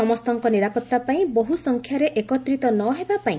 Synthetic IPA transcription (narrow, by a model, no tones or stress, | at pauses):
ɔmɔst̪ɔŋkɔniɾapɔt̪ːapaĩbɔɦusɔŋkʰjaɾeʔekɔt̪ɾit̪ɔnɔɦebapaĩ